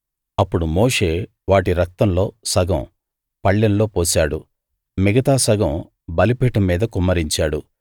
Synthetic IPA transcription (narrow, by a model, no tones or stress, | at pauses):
ɐpːuɽumo̞ːʂe̞ː | ʋaːʈiɾɐk̚t̪ɐmlo̞ːsɐɡɐ̰̃m | pɐɭːɐnlo̞ːpoːsaːɽu | miɡɐt̪aːsɐɡɐm | bɐlipeːʈɐmːiːd̪ɐkumːɐɾiɲt͡ʃaːɽu